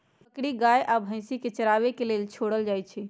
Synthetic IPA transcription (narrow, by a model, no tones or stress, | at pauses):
əkɽiɡajʔabʱə̃ɪ̃siket͡ʃəɾabekelelt͡ʃʰoɽəld͡ʒajt͡ʃʰɛ